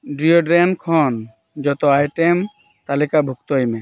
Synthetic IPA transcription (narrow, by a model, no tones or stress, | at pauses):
ɖɾioɖɾenkʰɔn | d͡ʒɔt̪ɔajʈem | t̪alikabʱukt̪ɔɦime